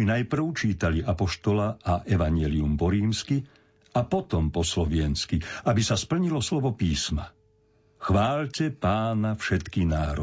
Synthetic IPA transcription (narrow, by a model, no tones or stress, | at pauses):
inajpr̩ʊt͡ʃiːt̪aliʔapɔʃt̪ɔlaʔaʔɛʋaɲɪɛliumpɔɾiːmski | apɔt̪ɔmpɔslɔʋɪɛnskiabisaspl̩ɲilɔslɔʋɔpiːsma | xʋaːlcɛpaːnafʃɛt̪kinaːɾɔ